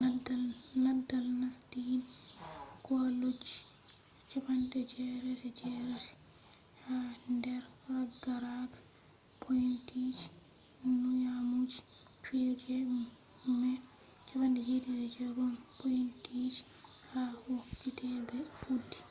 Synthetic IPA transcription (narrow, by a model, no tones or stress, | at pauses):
adanadalnastin | kɔlud͡ʒi̥ | t͡ʃabandɛd͡ʒɛɾɛɾɛd͡ʒɛɾɛti̥ | handɛɾraɡaɾaɡḁ | pʰojintid͡ʒi̥ | nujamud͡ʒi̥ | fid͡ʒɛɗum | mɛ | t͡ʃabandɛd͡ʒedidɛd͡ʒɛɡɔmpojintid͡ʒi̥ | hawokːitɛbɛfudːi̥